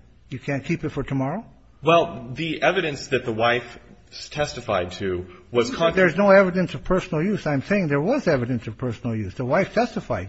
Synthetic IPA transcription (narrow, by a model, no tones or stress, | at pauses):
jɨkʰæ̃nkʰipɨtfə˞tʰəmɑɹoʊ | wɛlˠðiʔɛvɨɾɨ̃nsðɨt̪̚ðəwaɪf | stʰɛstɨfaɪd̚tʰɨwʌz̥kʰɑ̃nðə˞znoʊɛvɨɾɨ̃nsʌv̥pʰɜ˞sn̩l̩ˠjʉsãɪ̃mseɪɪ̃ŋðə˞wʌzɛvɨɾɨ̃nsʌv̥pʰɜ˞sn̩l̩ˠjʉsðəwaɪftʰɛstəfaɪd̚